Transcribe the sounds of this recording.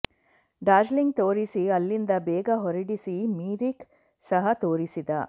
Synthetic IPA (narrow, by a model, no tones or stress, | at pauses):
ɖaːd͡ʒliŋɡ̚t̪oːɾisiɐlːind̪ɐbɛːɡɐɦɔɾiɽisimiːɾik | sɐɦɐt̪oːɾisid̪ɐ